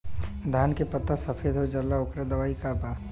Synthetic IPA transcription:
d̪ʱaːnkepɐt̪ːasɐfʰeːd̪ɦod͡ʒɐlːaʊkɾad̪ɐʋaːikabaː

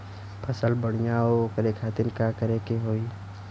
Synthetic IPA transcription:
pʰəsəlbəɽ̃ijaokəɾekʰaːt̪ɪɾkakəɾekeɦoːi

